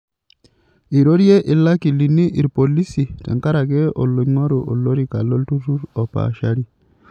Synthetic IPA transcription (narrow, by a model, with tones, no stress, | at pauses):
i˨ɾo˦ɾjɛ˦ʔi˨lːa˦ki˨li˨nːi˦ʔi˨ɾpo˨li˦si˨tɛ̰˨ŋka˦ɾa˨kɛ˦ʔɔ̰˨lːɔ˨ɲŋɔ˦ɾu˨ʔɔ˨lo˦ɾi˨ka˨lɔ˦ltu˦tu˦ɾɔ˨pa̰ʃaɾi˦